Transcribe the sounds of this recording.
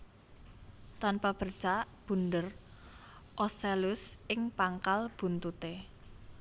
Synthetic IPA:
t̪anpab̥ə̤rt͡ʃaʔ | b̥ṳndər | ʔɔselʊsʔɪŋpaŋkalb̥ṳnt̪ut̪e

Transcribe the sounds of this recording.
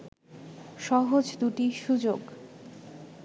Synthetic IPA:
ʃɔɦod͡ʑd̪uʈiʃud͡ʑoɡ

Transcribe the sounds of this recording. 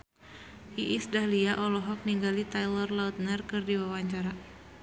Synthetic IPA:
ʔiʔisdahliaʔɔlɔɦɔk̚niŋɡalit̪ajlɔrlaut̪̚nərkɨrdiwawaɲt͡ʃaɾa

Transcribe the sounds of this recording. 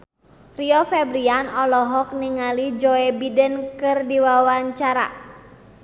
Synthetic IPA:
riɔfɛbɾianɔlɔɦɔk̚niŋalid͡ʒɔɛbidənkɨrdiwawaɲt͡ʃaɾa̰

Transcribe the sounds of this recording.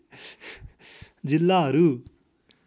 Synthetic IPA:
d͡zilːaɦʌɾu

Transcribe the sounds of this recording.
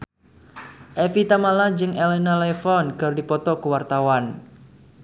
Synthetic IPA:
ʔɛfit̪amalad͡ʒɨŋelenalɛfɔnɡərdipɔt̪ɔkəwart̪awan

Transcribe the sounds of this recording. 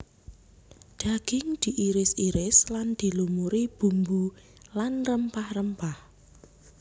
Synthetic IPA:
ɖ̪̥a̤ɡ̥ɪŋd̪̥i̤ʔiɾɪsiɾɪsland̪̥i̤lumuɾib̥ṳmbu | lanrəmpahrəmpah

